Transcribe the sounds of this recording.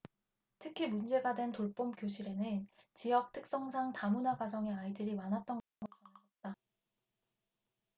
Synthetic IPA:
tʰɯkʰimund͡ʑe̞ɡadwe̞ntoɭp͈omkjoɕʰiɾe̞nɯnt͡ɕijʌk̚tʰɯk̚s͈ʌŋs̬ʰaŋtamunaɡwad͡ʑʌŋe̞aidɯɾimanɦat̚t͈ʌnɡʌɡʌaasʰʌt̚t͈a

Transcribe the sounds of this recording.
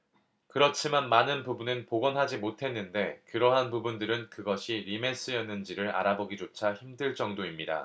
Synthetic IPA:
kɯɾʌt͡ɕʰimanmanɯnpubunɯnpoɡʌnɦad͡ʑimotʰe̞nːɯnde̞kɯɾʌɦanpubundɯɾɯnkɯɡʌɕʰiɾime̞s͈ɯjʌnːɯnd͡ʑiɾɯɾa̰ɾaboɡid͡ʑot͡ɕʰaçimdɯɭt͡ɕ͈ʌŋdoimɲida̰

